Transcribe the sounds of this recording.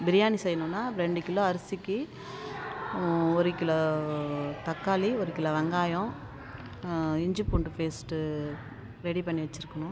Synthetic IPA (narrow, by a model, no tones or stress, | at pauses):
bɪɾɪjaːnisɛjːɐnʊ̃nːaːɾɛɳɖɪkːɪlːõɐɾɐsikːi | ɔɾɯkːɪlɐ | t̪ɐkːaːliɔɾɯkːɪlɐʋɐŋɡaːjɔ̃ | ɪɲd͡ʒɯpːuːɳɖɯfeːsʈɯ | ɾɛɽipɐɳːiʋɐt͡ʃːɪɾɯkːɐɳʊ̃